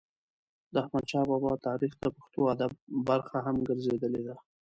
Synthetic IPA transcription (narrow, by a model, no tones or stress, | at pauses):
d̪əahmant͡ʃɑbɑbɑt̪ɑɾixt̪apaxt̪oad̪ab̚ːaɾxaɦamɡəɾzed̪əled̪a